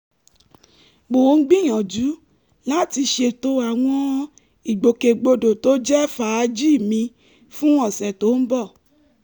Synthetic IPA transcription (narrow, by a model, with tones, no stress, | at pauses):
ɡ͡bo˨˦ŋ̩˦ɡ͡bĩ˦j̃ɔ̃˨d͡ʒu˨˦ | la˦ti˧ʃe˧˨to˧a˨w̃ɔ̃˧ | i˨ɡ͡bo˨ke˨ɡ͡bo˧do˨to˦d͡ʒɛ˦fa˨˧d͡ʒi˦˨mĩ˧ | fũ˦ɔ˦˨sɛ˨to˨˦n̩˦bɔ˦˨